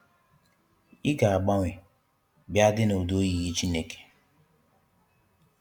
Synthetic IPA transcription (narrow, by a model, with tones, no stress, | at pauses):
i˦ɡa˨a˨ɡ͡ba˦ŋʷɪ˨ | bja˦dɪ˦no˨o˨do˦ji˨ɣi˦t͡ʃi˦ne˦ke̥˨